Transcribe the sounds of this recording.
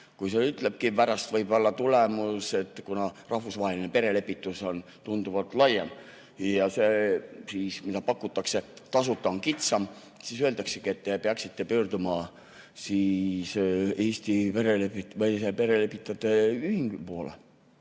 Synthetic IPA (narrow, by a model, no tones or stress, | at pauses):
kujseyt̪ˑle̞b̥̚kipæɾɑst̪vɤjbo̞lːɑt̪ulemuse̞t̪ːˑkunɑrɑhvusvɑːelinepe̞ɾe̞le̞pːˑit̪ːˑuso̞n | t̪und̪uvɑt̪ˑlɑjːɑm | jɑsesiːsmid̪ɑpɑkˑːut̪ːˑɑkse̞t̪ɑsut̪ːˑɑoŋkit̪sɑm | sisøelt̪ɑksekie̞t̪ːepeɑksit̪ːe̞pøːrd̪umɑ | siːseːst̪ipe̞ɾelepːit̪vɤjsepe̞ɾe̞le̞pːˑit̪ːˑɑt̪ːˑeyhiŋɡ̥ypoolḛ